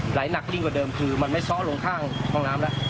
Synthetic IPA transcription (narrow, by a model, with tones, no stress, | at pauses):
laː˩˦jna˨˩k̚li˥˩ŋkwaː˨˩dɤː˧mkʰɯː˧ma˧nma˥˩jsɔ˦˥ʔlo˧ŋkʰaː˥˩ŋkʰɔː˥˩ŋnaː˦˥mla˦˥ʔ